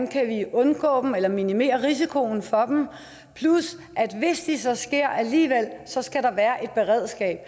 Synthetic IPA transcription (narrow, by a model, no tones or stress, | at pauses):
nkʰæʋiɔ̽nɡ̥ɔ̰̽ːd̥m̩elɐminime̝̰ːɐʁis̬ikʰo̝n̩fɒ̽d̥em̩ | pʰlus | ʔæd̥ʋe̝sd̥isɒ̽sɡ̥e̝ɐ̰ʔæliːʋel̰sɒ̽sɡ̥æɾɑ̈ʋæːɐʔe̝d̥̚b̥e̝ʁɛð̞̰ˠsɡ̥ɛ̰ːb̥̚